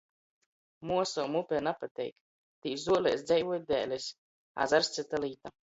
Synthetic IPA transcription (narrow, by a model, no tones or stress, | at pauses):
muɔsɔːmupʲɛnapat̪ʲɛ̰jk | t̪iːszuɔlʲɛ̰sd̪zɛjvuɔj̚d̪ɛ̰ːlʲɛs | a̰zaɾst̪sɨt̪aliːt̪a